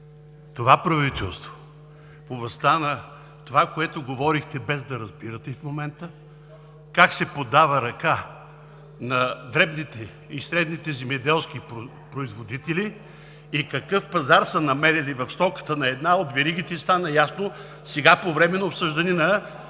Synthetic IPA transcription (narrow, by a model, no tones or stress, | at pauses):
t̪ovapɾɐvit̪ɛlˠst̪vo̥ | foblˠɐst̪anɐ | t̪ovakoɛt̪oɡovɔɾixt̪ɛbɛzd̪ɐɾɐzbiɾət̪ɛifmomɛnt̪ə | kaksɛpod̪avəɾɐka | nɐd̪ɾɛbnit̪ɛ | isɾɛd̪nit̪ɛzɛmɛd̪ɛlˠskip | pɾoizvod̪it̪ɛliː | kɐkɤfpɐzaɾsənɐmɛɾilivɐfst̪ɔkə̥t̪ənɐɛd̪naod̪vɛɾiɡ̟it̪ɛist̪anəjasno | sɛɡapovɾɛmɛnɐopsɤʒd̪ɐninɐ